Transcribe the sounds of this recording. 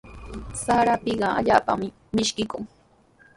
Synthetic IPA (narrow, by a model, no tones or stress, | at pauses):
saɾapɪɢɑa̰ʎaːpa̰mɪ | mɪʃkɪkʊŋ